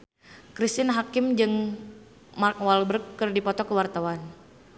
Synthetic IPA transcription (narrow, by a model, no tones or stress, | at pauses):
kɾist̪ɪnɦakɪmd͡ʒɨŋ | mark̚walbərkːɨrdipɔt̪ɔkəwart̪awan